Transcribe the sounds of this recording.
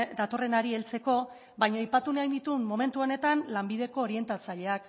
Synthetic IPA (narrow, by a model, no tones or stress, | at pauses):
d̪at̪o̞re̞naɾie̞lt͡se̞ko̞ | bajɲajpat̪unajnit̪ummo̞me̞nt̪uo̞ne̞t̪anlambiðe̞ko̞ːɾie̞nt̪at͡saʎe̞ak